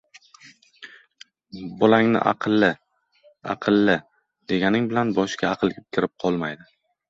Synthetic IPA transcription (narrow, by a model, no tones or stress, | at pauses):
bʊlaŋnɪ̰ʔɑ̰qʰɨlˠːɪ | ɑ̰qʰɨlˠːɪ | d̪̥e̞ɡʲanɪŋbɪlanbɒʃkʲʰaɑqʰɨlˠkʲɪkʲʰɪɾɪp̚qʰɒlˠmajd̪ɪ